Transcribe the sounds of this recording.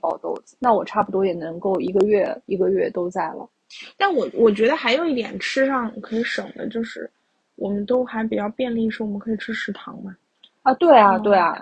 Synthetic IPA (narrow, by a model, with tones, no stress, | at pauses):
pɑ˨˩ʊt̪o˥˩ʊd͡zɹ̩˨˩na˥˩wɔ˨˩ʈ͡ʂʰa˥˩pu˩t̪wɔ˥jɛ˨˩nɤ˧˥ŋko˥˩ʊi˧˥ɡə˧ɥɛ˥˩i˧˥ɡə˧ɥɛ˥˩t̪o˥ʊt͡sa˥˩ɪlə̰˩ | t̪a˥˩nwɔ˨˩wʔɔ˨˩t͡ɕɥɛ˧˥d̪ə˧xa˧˥ɪjo˨˩ʊi˥˩t̪jɛ̰˨˩nʈ͡ʂʰɻ̩˥ʂɑ˥˩ŋkʰɤ˧˥i˧˥ʂɤ˨˩ŋd̪ə̰˦t͡ɕjo˥˧ʊʂɻ̩˥˩ | wʔɔ˨˩mə˦nt̪o˥ʊxa˧˥ɪpi˨˩t͡ɕjɑ˥˧ʊpjɛ˥˧nli˥˧˥ʂɻwɔ˨˩mə˦nkʰɤ˧˥i˨˩ʈ͡ʂʰɻ̩˥ʂɻ̩˥˩t̪ʰɑ̰˧˥ŋbɐ˧ | ə˧t̪we˥˩ɪa˩t̪we˥˩ɪɐ̰˩